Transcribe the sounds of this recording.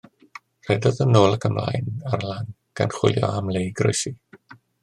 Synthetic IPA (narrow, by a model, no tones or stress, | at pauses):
r̥ɛdɔðənoːlˠəkʰəmla̰jnarlan | ɡ̥a̰nχwɪ̰lˠjɔ̰amlˠejɡro̰jsi